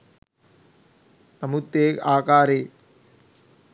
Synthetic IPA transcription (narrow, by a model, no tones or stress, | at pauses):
nɐmut̪ːeːkaːkaːɾeː